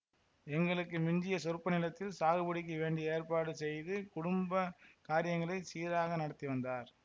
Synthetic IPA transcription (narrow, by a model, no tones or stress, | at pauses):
ɛŋɡɐɭɯkːɯmɪɲd͡ʒɪjɐsɔɾɯpːɐnɪlɐt̪ːɪlsaːɣɯbɐɽɪk̬ːɐʋeːɳɖieːrpaːɽɯsɛjðɯkʊɽʊmbɐkaːɾɪjɐŋɡɐɭɐɪsiːɾaːɣɐnɐɽɐt̪ːiʋɐnd̪aːɾ